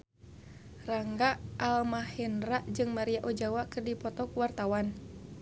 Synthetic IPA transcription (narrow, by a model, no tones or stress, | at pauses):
raŋɡaʔʔːlmahɛnraʔd͡ʒɨŋmaɾiaʔɔd͡ʒawakɨrdipɔt̪ɔkuwart̪awan